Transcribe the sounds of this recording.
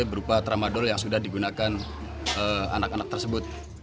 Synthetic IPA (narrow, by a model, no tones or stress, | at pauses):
bəɾupat̪ɾamadɔljaŋsudahdiɡunakan | əa̰nakanak̚t̪ərsəbʊt̪̚